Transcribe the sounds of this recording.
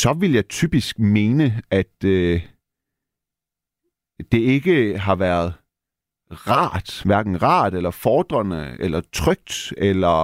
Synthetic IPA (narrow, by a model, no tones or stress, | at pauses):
sɒ̽ʋiləjɑ̈ɪt͡sʰyːb̥isɡ̥me̝ːnəæd̥ | e̝e̝ɡ̥əɦɑ̈ʋæɐð̞̩ˠ | ʁɑ̰̈ːd̥ʋæɐɡ̥n̩ʁɑ̰̈ːd̥elɐfɒːd̥ʁɐnəelɐt͡sʰʁœɡ̥̚d̥elɐ